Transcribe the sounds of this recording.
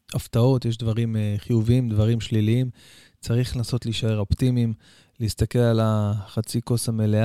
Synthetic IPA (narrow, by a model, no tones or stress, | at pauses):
ʔaft̪ao̞t̪jeʃ̬d̪vaʁimχijuviimd̪vaʁimʃliliim | t͡saʁiχnaso̞tliʃae̞ʁo̞pt̪imim | leist̪ake̞lalaχat͡siko̞shame̞le